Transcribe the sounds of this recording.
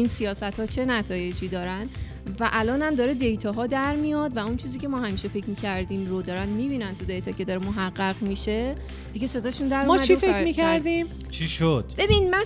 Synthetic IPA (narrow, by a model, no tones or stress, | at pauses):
insijɒːsæt̪hɒːt͡ʃʰe̞næt̪ʰɒːje̞d͡ʒiːd̪ɒːɾæn | væʔælɒːnhæmd̪ɒːɾed̪e̞jt̪ʰɒɦɒːd̪æɾmijɒːd̪væunt͡ʃʰiːziːcʰe̞mɒːhæmiːʃe̞fecʰmiːcʰæɾd̪iːmɾod̪ɒːɾænd̪miːbiːnænt̪ʰud̪e̞jt̪ɒːcʰe̞d̪ɒːɾemoɦæɢːæʁmiʃe̞ | d̪̥iɟese̞d̪ɒːʃund̪æɾumʰifeæmikʰæɾd̪im | t͡ʃʰiʃod̪̥b̥e̞binmæ